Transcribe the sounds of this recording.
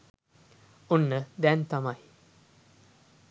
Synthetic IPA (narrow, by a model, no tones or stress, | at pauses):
onːəd̪ɛnt̪ɐmɐj